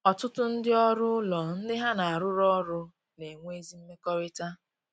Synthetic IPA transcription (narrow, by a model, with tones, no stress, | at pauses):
ɔ˨tʊ˦tʊ˦n̩˦dɪ˦ɔ˦ɾʊ˦lɔ˨n̩˦dɪ˦ɦa˦na˨a˨ɾʊ˦ɾɔ˦ɾʊ˦ | ne˨ŋʷ˦e˦zi˦m̩˦me˦kɔ˦ɾɪ˦ta˦